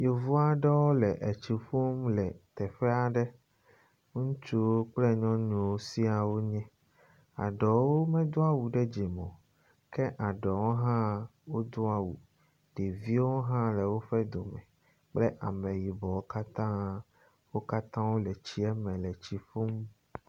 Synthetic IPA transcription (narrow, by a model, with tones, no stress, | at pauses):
je˨vu˦a˦ɖɛ˦wo˦lɛ˨ʔɛ˨t͡ɕi˨ɸo˦mlɛ˨t̪ɛ˨ɸɛ˦a˨ɖɛ˦ | ŋũ˦t͡ʃu˦wo˦k͡plɛ˦ɲɔ̃˦ɲũ˨wo˦si˦a˨wo˦ɲɛ̃˦ | a̰˨ɖɔ˨wo˦mɛ̃˦d̪o˦a˦wu˨ɖɛ˦d͡ʒe˨mɔ̃˨ | kɛ˦ʔa˨ɖɔ˨wo˦ɦã˦wo˦d̪o˦a˦wu˨ | ɖ̥e˨vi˦wo˦ɦã˦lɛ˨wo˦ɸɛ˦d̪o˨mɛ̰̃˨ | k͡plɛ˦ʔa˨mɛ̃˨ji˨bɔ˨wo˦ka˦t̪ã˦ | wo˦ka˦t̪ã˦wo˦lɛ˨t͡ɕi˦ɛ˦mɛ̃˨lɛ˨t͡ɕi˨fo˦m